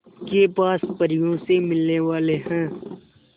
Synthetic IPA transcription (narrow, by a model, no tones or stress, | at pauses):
kepaːspəɾɪjõsemɪlneʋaːleɦɛ̃ː